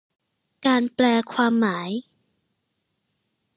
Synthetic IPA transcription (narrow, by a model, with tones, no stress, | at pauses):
kaː˧nplɛː˧kʰwaː˧mːaː˩˦j